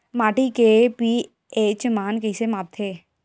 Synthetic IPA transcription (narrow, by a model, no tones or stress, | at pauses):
maːʈikepi | eːt͡ʃmaːnkɪɪsemaːp̚t̪ʰeː